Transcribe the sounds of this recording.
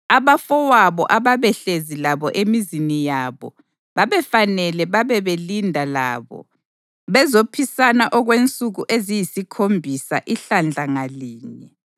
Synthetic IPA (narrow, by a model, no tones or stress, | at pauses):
aβafɔwaβɔ̰ʔaβaβɛɬezilaβɔʔemizinijaβɔ̰ | βaβɛfanɛlɛβaβɛβelindʱala̰ːβɔ̰ | βɛzopʰisanaʔɔɣwent͡sʼuɣuʔezijisikʰombʱisa̰ʔiɬand͡ɮʱaŋaliːɲɛ